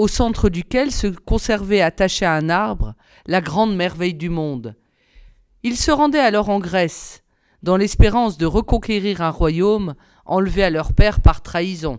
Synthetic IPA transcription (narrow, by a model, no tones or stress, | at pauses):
osɑ̃t̪χəd̪ykʲɛlsəkɔ̃sɛʁvɛat̪aʃeaɛ̃naʁbʁə | laɡʁɑ̃d̪mɛʁvɛjd̪ymɔ̃d̪ | ilsəʁɑ̃d̪ɛalɔʁɑ̃ɡʁɛs | d̪ɑ̃lɛspeʁɑ̃sd̪əʁəkɔ̃kʲeʁiʁɛ̃ʁwajom | ɑ̰̃lvealœʁpɛʁpaʁt̪χaizɔ̃